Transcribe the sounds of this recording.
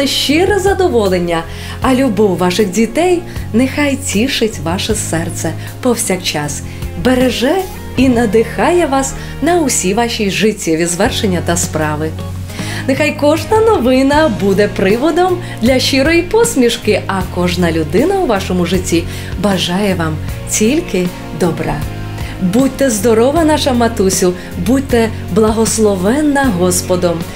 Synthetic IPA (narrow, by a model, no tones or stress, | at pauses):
ɛʃt͡ʃɪɾɛzɐd̪ɔʋɔlˠenʲːɐ | ɐlʲʊbɔwʋɑʃɪxdʲit̪ɛjnɛxɑjtʲiʃɪtʲʋɑʃɛsɛrt̪sɛ | pɔwsʲakt͡ʃɑs | beɾeʒɛ | inɐd̪ɪxɑjɛʋɑs | nɐʊsʲiʋɑʃʲijʒɪtʲːiʋʲizʋɛrʃenʲːɐt̪ɐspɾɑʋɪ | nexajkɔʒnɐnɔʋɪnɐbud̪ɛpɾɪʋɔd̪ɔm | d̪lʲɐʃiɾɔjipɔsʲmʲiʃkɪɐkɔʒnɐlʲʊd̪ɪnɐʊʋɑʃɔmʊʐɪtʲːi | bɐʒɑjɛʋɑmt͡sʲilʲkɪ | d̪ɔbɾɑ | bud̚ʲt̪ɛzd̪ɔɾɔʋɐnɑʃɐmɐt̪usʲʊ | bud̚ʲt̪ɛ | blˠɐɦɔslˠɔʋɛnːɐɦɔspɔd̪ɔm